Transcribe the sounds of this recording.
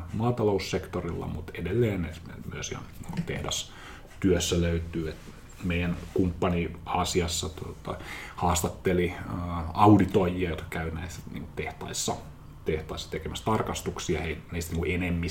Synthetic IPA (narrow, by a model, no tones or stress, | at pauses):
mɑːt̪ɑloussekt̪orilːɑ̰mut̪edelːeːnneemyøsihɑ̰nniːŋkut̪ehdɑ̰s | t̪yøsːæløyt̪yːet̪ | meijænkumpːɑniɑsiɑsːɑt̪uot̪ɑ̰hɑːst̪ɑt̪ːeliː | ɑudit̪ojiɑjot̪kɑ̥kæynæisæ̥nḭːŋkut̪eht̪ɑ̰isːɑ | t̪eht̪ɑisːɑ̥t̪ekemæst̪ɑrkɑst̪uksiɑ̰heinist̪niːŋkuʔenemːi